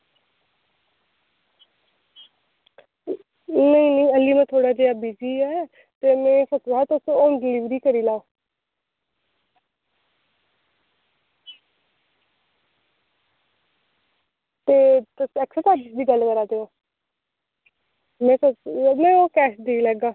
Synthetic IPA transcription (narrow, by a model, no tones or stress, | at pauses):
nəĩːnəĩːəlːiːmãːt̪ʰoːɽaːd͡ʒeːaːbiːd͡ʒiːɛː | t̪eːmɛ̃ːsət̪aːt̪ːsoːnɖɪliːʋɾiːkəɾiːlaːoː | t̪eːt̪sɛːksət̪aːɖɪsd̪iːɡəlkəɾaːd̪eːoː | mɛ̃ːt̪mɛ̃ːoːkɛːʃd̪eilɛːɡaː